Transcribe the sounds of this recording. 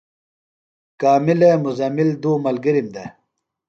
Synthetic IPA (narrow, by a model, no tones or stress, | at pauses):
kaːmilemuzɐmild̪uːmɐlɡiɾimd̪e